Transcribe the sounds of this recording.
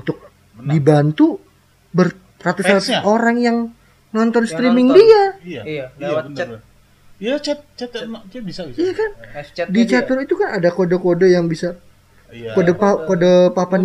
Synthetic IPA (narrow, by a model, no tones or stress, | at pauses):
nt̪ʊk̚ | dibant̪u | bər | rat̪ussat̪oɾaŋjaŋ | nɔnt̪ɔnst̪ɾimɪŋdia | ijakandit͡ʃat̪əɾit̪ukanadakodokodəjaŋbisa | kodəkodəpapan